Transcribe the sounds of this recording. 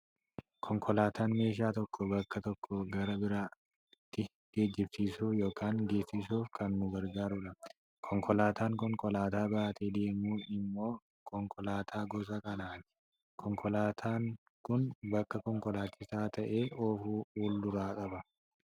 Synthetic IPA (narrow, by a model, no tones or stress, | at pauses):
kʰɔŋkʰɔlaːt̪ʰaːnme̞ːʃ̬aːt̪ɔkːɔbɐkːɐt̪ɔkːɔɡɐɾɐbɪɾaː | t̪ːɪ | ɡeːd͡ʒːɪbsiːsuːjo̞ːkaːŋɡe̞ːsːɪsuːfkɐnnʊɡɐɾɡaːɾʊᶑɐ | kʰɔŋkɔlaːt̪aːŋkɔŋkɔlaːt̪aːbaːt̪eːd̪e̞ːmuːɪmːo̞ː | kʰɔŋkʰʼɔlaːt̪ʰaːɡɔs̬ɐkɐnaːnɪ̥ | kʰɔŋkʰɔlaːt̪ʰaːŋ | kʊnbɐkːɐkɔŋkɔlaːt͡ʃːɪsaːt̪ʰɐʔe̞ːʔoːfuːuːld̪ʊɾaːkʼɐbɐ